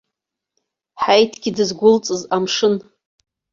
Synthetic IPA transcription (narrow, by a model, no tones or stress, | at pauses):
ħajtʰɡʲidɨzɡʷʊlt͡sʼɨzamʂɨn